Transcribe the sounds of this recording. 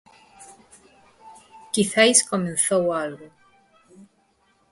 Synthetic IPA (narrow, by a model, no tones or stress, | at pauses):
kiθajskomẽnθɔwalɡo